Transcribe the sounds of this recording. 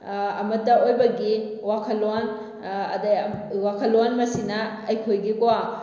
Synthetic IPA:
ɐmɐtːɐojbɐɡiwakʰɐlwan | ɐ̰dɐjwakʰɐlːwanmɐsinɐ | ɐjkʰojɡikowa

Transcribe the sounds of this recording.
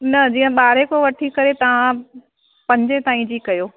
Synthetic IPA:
nɐd͡ʑiːə̃ɓaːɾekoʋɐʈʰikɐɾet̪ɐʋ̤ã | pɐ̃ɲd͡ʑet̪aːĩd͡ʑikɐjoː

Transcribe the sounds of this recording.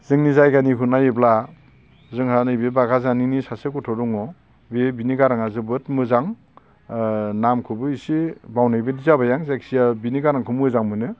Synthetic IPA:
zɯŋnizajɡanikʰunajebla | zɯŋhanɯjbebaɡazaninisasekutʰɔduŋɔ | bebiniɡaɾaŋazɯbɯtmɯzaŋ | namkʰɯbɯisibawnajbedizabajaŋzeksijabiniɡaɾaŋkʰɯmɯzaŋmɯnɯ

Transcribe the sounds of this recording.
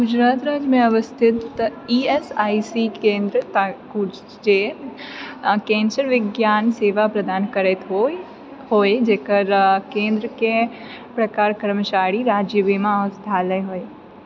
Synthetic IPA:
ɡʊd͡ʒɾaːt̪ɾaːd͡ʒjəmẽɐʋəst̪ʰɪt̪iːesaːisikẽːnd̪ɾət̪aku | d͡ʒe | kẽːnsəɾʋɪɡjaːnseːʋapɾɐd̪aːnkɐɾet̪ɦo | hoːed͡ʒeːkəɾkẽːnd̪ɾəke | pɾɐkaːɾkəɾmət͡ʃaːɾiɾaːd͡ʒjəʋimãost̪ʰaːləjɦoːe

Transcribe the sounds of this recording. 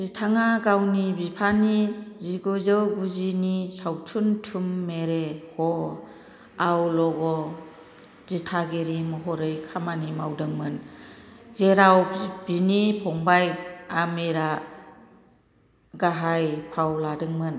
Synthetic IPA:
zitʰaŋaɡawnibipʰaniziɡɔzɯɡuzinisawtʰuntʰumːeɾehɔ | awlɔɡɔ | zitʰaɡeɾimɯɦɔɾɯjkʰamanimawdɯŋmɯn | zeɾawb̥inipʰɔŋbajamiɾa | ɡaɦajpʰawladɯŋmɯn

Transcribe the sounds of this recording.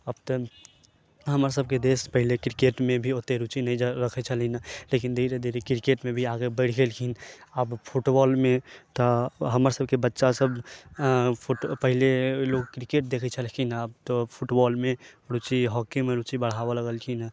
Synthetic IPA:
əbt̪ə | ɦəməɾsəb̚ked̪espəɦilekɾikeʈmẽbʱiot̪ːeɾut͡ʃinəid͡ʒɾəkʰɛt͡ʃʰəlinalekind̪ʱiɾed̪ʱiɾekɾikeʈmebʱiaɡebəɽ̤ɡelkʰinəbpʰuʈbɔlmet̪ɔɦəməɾsəbʱkebətːʃasəbʱ | pʰuʈpəɦileloɡ̚kɾikeʈ̚d̪ekʰɛt͡ʃʰəlkʰinaəb̚t̪ɔpʰuʈbɔlmeɾut͡ʃiɦɔkimeɾut͡ʃibəɽ̤aoləɡəlkʰina

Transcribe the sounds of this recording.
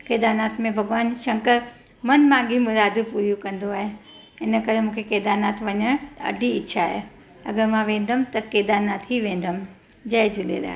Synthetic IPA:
keːd̪aːnaːt̪mẽbʱɐɡʋaːnʃɐ̃ŋkəɾ | mɐnmãːŋɡʱimʊɾaːd̪puɾijukɐ̃nd̪oaːɦe | ɪnə̆kɐɾemũːkʰekeːd̪aːnaːt̪ʋɐɲəɐ̰ɖʱiɪːʃʰaːɦe | ɐɡəɾmãʋẽːn̆d̪əmt̪ɐkeːd̪aːnaːt̪ʰɦiʋẽːnd̪əm | d͡ʑɐːɪd͡ʑɪlḛla̰ː

